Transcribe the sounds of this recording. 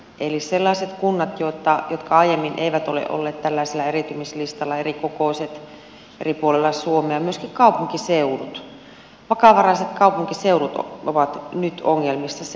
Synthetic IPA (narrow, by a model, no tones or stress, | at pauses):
ʔeliselːɑiset̪kunːɑt̪jot̪ːɑjot̪kɑɑijemːinʔḛiʋæt̪olḛʔo̰lːeːt̪t̪ælːæˑiselːæerit̪ymislist̪ɑlːɑerikokoˑiset̪ | ḛripuolelːɑsuomeɑmyøskikkɑupuŋkiseurut̪ | ʋɑkɑʋɑrɑiset̪kɑupuŋkiseurut̪oʋɑt̪nyt̪oŋːelmisːɑs